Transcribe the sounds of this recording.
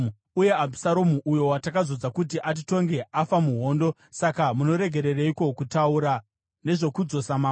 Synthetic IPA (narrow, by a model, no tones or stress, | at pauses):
uje̞abʱusaɾomuʔujo̞watakazo̞d͡zakutiʔat̬ito̞ŋɡe̞ʔafamuɦo̞ːndo̞ | sakamuno̞ɾe̞ɡʱe̞ɾe̞reiko̞kutauɾa | ne̞ʐo̞kud͡zo̞samaː